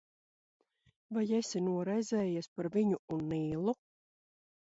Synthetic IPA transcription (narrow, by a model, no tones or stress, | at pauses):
vajesʲinuɔɾajzɛːjispaɾviɲuunːiːlˠu